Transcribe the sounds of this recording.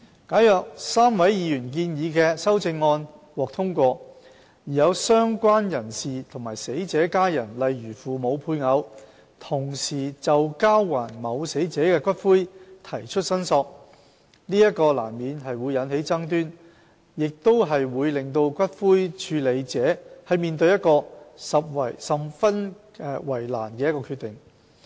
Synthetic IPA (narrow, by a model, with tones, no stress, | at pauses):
kaː˨˥jœː˨k̚saː˥mwɐ˨˥jjiː˨˧jyː˨˩nk̬iː˧njiː˨˧˥kɛː˧sɐ˥wt͡sɪ˧ŋːɔː˧nwɔː˨k̚t̪ʰʊ˥ŋkʷɔː˧ | jiː˨˩jɐ˨˧wsœː˥ŋkʷaː˥njɐ˨˩nsiː˨t̪ʰʊ˨˩ŋmaː˨˩jse˨˥jt͡sɛː˨˥kaː˥jɐ˨˩nlɐ˨jɥyː˨˩fuː˨mo˨˧wpʰuː˧jŋɐ˨˧w | t̪ʰʊ˨˩ŋsiː˨˩t͡sɐ˨wkaː˥wːaː˨˩nmɐ˨˧wse˨˥jt͡sɛː˨˥kɛː˧kʷɐ˥t̚fuː˥jt̪ʰɐ˨˩jt͡ʃʰɵ˥t̚sɐ˥nsɔː˧k̚ | niː˥jɐ˥t̚kɔː˧la̰ː˨˩nmiː˨˧nɦɐ˨jwuː˨˧jːɐ˨˧˥nhe˨˥jt͡sɐ˥ŋt̪̬yː˥n | jɪ˨k̚t̪o˥wɦɐ˨jwuː˨˧jlɪ˨ŋt̪o˧wkʷɐ˥t̚fuː˥jt͡ʃʰyː˨˧le˨˧jt͡sɛː˨˥hɐ˨jmiː˨nt̪ɵ˧jɐ˥t̚kɔː˧sɐ˨p̚wɐ˨˩jsɐ˨mfɐ˥nː˨˧ | wɐ˨˩jla̰ː˨˩nkɛ˧jɐ˥kːɔː˧kʰyː˧t̪ɪ˨˩ŋ